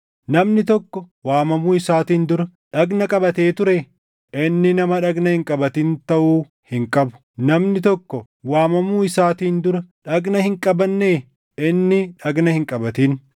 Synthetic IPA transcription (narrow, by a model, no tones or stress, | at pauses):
nɐmnɪt̪ɔkːɔwaːmɐmuːɪsaːt̪iːnd̪ʊɾɐᶑɐɡnɐkʼɐbɐt̪eːt̪ʊɾɛ | ɪnːɪnɐmɐᶑɐɡnɐhɪŋkʼɐbɐt̪iːnt̪ɐʔuː | hɪŋkʼɐbʊ̥ | nɐmnɪt̪ɔkːɔ | waːmɐmuːɪsaːt̪iːnd̪ʊɾɐᶑɐɡnɐhɪŋkʼɐbɐnːeː | ɪnːɪᶑɐɡnɐhɪŋkʼɐbɐt̪iːn